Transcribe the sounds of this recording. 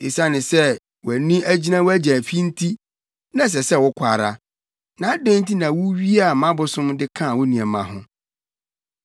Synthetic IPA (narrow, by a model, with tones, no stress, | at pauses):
e˨sa˦nɪ̃˨sɛ˦ | wæ˨nĩ˦æ˦d͡ʑi˦nã˦wɔ˦æ˦d͡ʑæ̃˨fi˦n̩˦tʰi˦ | nã˦˨s̬ɛ˨sɛ˦˨wʊ˦kʷʰa˨ɾa˨ | nã˨˦dẽ˦n̩˦tʰi˦nã˨wʊ˦ɥi˦a˨mã˦bʊ˨sʊ̃˦mdɪ˦kʰã˦˨wʊ˦nĩ˨ɛ˨mã˨ɦʊ̃˦